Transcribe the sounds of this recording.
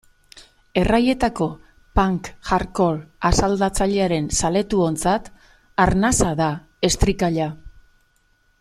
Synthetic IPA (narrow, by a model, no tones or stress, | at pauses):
e̞raje̞t̪ako̞ | paŋkʝaɾko̞lasald̪at͡saʎe̞aɾe̞nsale̞t̪uo̞nt͡sat̪ | aɾnasaða | e̞st̪ɾikaʎa